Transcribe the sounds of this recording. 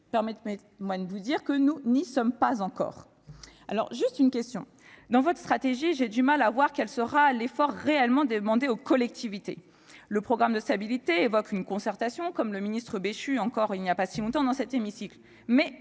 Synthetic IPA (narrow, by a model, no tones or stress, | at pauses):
pɛʁmɛt̪mɛ | mwad̪əvud̪iʁkənunisɔmpazɑ̃kɔ̰ːʁ | a̰lɔ̰ʁʒyst̪ynkʲɛst̪jɔ̃ | d̪ɑ̃vɔt̪χəst̪χat̪eʒiʒed̪ymalavwaʁkʲɛlsəʁalefɔʁːeɛlmɑ̃d̪əmɑ̃d̪eokɔlɛk̚t̪ivit̪ḛ | ləpχɔɡʁamd̪əst̪abilit̪eːvɔkynkɔ̃sɛʁt̪asjɔ̃kɔmləminist̪χəbeʃyɑ̃kɔʁilnijapasilɔ̃t̪ɑ̃d̪ɑ̃sɛt̪emisikl | mɛ